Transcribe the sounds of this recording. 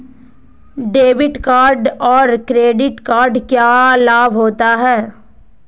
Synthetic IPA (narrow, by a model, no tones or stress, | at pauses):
ɖeːbɪʈkaːɾɖɔːɾkɾeːɖɪʈkaːɾɖkjaːlaːbʱɦoːt̪aɦɛː